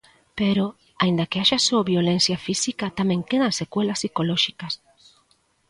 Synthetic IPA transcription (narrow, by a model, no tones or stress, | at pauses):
peɾo | aĩnd̪ɐkeaʃasoaβjolenθjafisikat̪amɛ̃ŋkeðɐsekwelɐsːikolɔʃikɐs